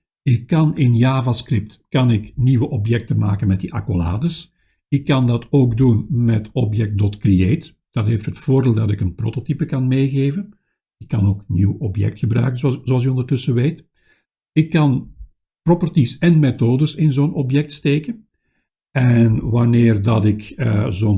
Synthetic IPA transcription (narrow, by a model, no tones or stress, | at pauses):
ɪkːɑnɪnjaːvaskrɪp̚tkɑnɪkniwəʔɔpjɛk̚təma̰ːkənmɛt̚diʔa̰kola̰ːdəs | ɪkːɑndɑtoːɡdunmɛtɔpjɛk̚t̚dɔtkrieːt | d̥ɑtɦeːftɦətfoːrdeːlˠdɑtɪkənpro̰ːtotipəkɑnmeːɣeːvən | ɪkːɑnoːkniwɔpjɛ̰k̚txəbɾœ̰ɥkənzzoɑl̬ˠykɔndərtɵsəʋeːt | ɪkːɑn | propɔrtisɛnmetoːdəsɪnzoːnɔpjɛk̚tsteːkən | ɛnʋɑneːrdɑtɪkəzon